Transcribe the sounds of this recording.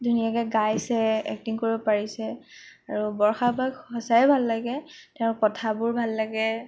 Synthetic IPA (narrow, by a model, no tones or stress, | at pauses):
dʱunijakɛɡajsɛɛ̰k̚tiŋkoɹibɔpaɹisɛaɹubɔɹxabaɡhɔsajɛbʱalːaɡɛtɛʊ̃nkɔtʰabʊɹbʱalːaɡɛ